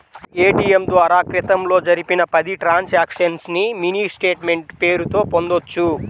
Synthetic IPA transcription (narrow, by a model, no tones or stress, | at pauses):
eːʈiːjemd̪oːɐɾaːkɾit̪ɐmlo̞ːd͡ʒɐɾipinɐpɐd̪iʈɾaːnsaːkʂɐnsniminiːsʈe̞ːʈme̞ɳʈpe̞ːɾut̪o̞ːpo̞nd̪ot͡ʃːu